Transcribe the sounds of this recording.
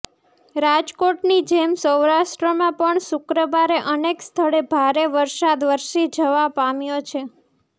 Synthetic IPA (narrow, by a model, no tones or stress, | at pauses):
ɾad͡ʒkoʈnid͡ʒemsəwɾaʃʈɾəmãpəɳsʊkɾəʋaɾeʔənekst̪ʰəɭebʱaɾeʋəɾsad̪ʋəɾʃid͡ʒəʋapamjot͡ʃʰe